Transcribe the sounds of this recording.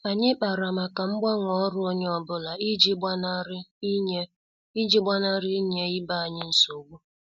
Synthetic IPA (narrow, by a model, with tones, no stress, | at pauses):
a˨ɲɪ˦k͡pa˨ɾa˨ma˨ka˨m̩˦ɡ͡ba˦ŋʷɔ˦ɾʊ˦o˦ɲe˦ɔ˦˨bʊ˦la˨i˦d͡ʒi˦n˦ɾ | i˦d͡ʒi˦ɡ͡ba˦na˦ɾɪ˦ɲe˦ɪ˦ba˦a˨ɲɪ˦n̩˦so˨ɡʷu˦